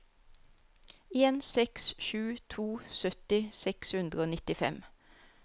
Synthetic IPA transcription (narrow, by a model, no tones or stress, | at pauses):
eːnsɛksʃʉːt̪ʰuːsœt̪ɪsɛkshʉnd̪ʁəoːnɪt̪ɪfɛ̰m